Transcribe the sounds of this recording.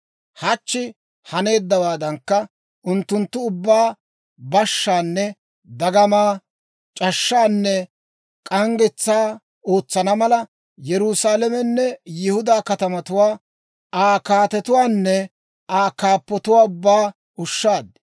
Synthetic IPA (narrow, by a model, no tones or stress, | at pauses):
hɐt͡ʃːɪ | hɐne̞ːd̪ːɐwaːd̪ɐŋkːɐ | ʔʊnt̪ːʊnt̪ːʊʊbːaː | bɐʃːaːnːɛ | d̪ɐɡɐmaː | t͡ʃʼɐʃːaːnːɛ | kʼɐŋɡɪt͡sːaː | o̞ːt͡sːɐnɐmɐlɐ | jɛɾʊsaːlɛmɛnːɛjɪhʊd̪aːkɐt̪ɐmɐt̪ʊwaː | aːkaːt̪ɛt̪ʊwaːnːɛ | aːkaːpːɔt̪ʊwaːʊbːaː | ʊʃːaːd̪ɪ